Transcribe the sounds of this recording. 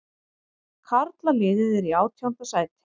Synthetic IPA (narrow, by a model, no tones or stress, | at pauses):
kʰaɾt̪lamɪːðɪðɪɾiaːwt̪ʰjawn̥t̪asaːjt̪ɪ̥